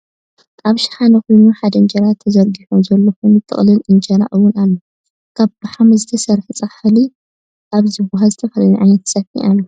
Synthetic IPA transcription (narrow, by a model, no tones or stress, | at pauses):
ʔʼaβʃɪ̥ħanɐkʰojnuħad̪ɐɨnd͡ʒɐɾat̪ʰːɐzɐɾɡiħomzɐlːɐxumɨt̪ʼːɨ̰χʼlɨlɨnd͡ʒɐɾaʔɨwːʊnalːo | kʰaβb̥aħamɐzɨt̪ʰɐsɐɾħit͡sʼɐħɨli | ʔaβzɨβuɦazɨt̪ʰɐfɐlɐliʕajnɐt̪sɐfḭʔalːo